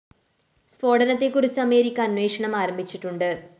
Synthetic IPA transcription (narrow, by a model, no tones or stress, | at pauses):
spo̞ːɽɐnɐt̪ːekurit͡ɕːɐme̞ːɾikʲːɐɐnwe̞ːkʂɐɳɐmaːɾɐmbʱit͡ɕːiʈːuɳɖɨ